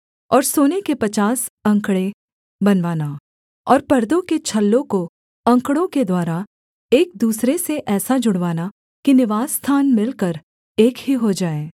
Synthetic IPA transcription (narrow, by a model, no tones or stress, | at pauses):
ɔːɾsoːnekepɐt͡ʃaːsɐ̃ŋkɽe | bɐnʋaːna | ɔːɾpɐɾd̪õket͡ʃʰɐlːõko | ɐ̃ŋkɽõked̪waːɾa | eːk̚d̪uːsɾeseʔɛːsad͡ʒʊɽʋaːna | kinɪʋaːzːt̪ʰaːnmɪlkəɾ | eːkɦiɦod͡ʒaːeː